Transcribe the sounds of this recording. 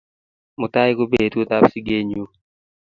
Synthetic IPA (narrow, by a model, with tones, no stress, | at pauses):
mʊ˨ta˦ɪ˦ko˦be˨tko˦t̪a˦psi˦ɡe˦ɲu˦